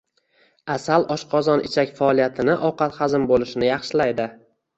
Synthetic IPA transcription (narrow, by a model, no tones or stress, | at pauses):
asalʔɒʃqʰɒzɒnɪt͡ʃʰakʲfaːlijat̪ʰɪnɪʔɒwqɑt̪χazɪmbolɪʃɪnɪjɑχʃɪlajd̪ɪ